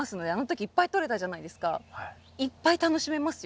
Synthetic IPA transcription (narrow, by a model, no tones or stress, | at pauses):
asɨno̞d̪e̞ano̞t̪o̞kʲiːpːait̪o̞ɾe̞t̪aʑanaid̪e̞sɨ̥kah | ipːait̪ano̞ɕime̞masɨ̥j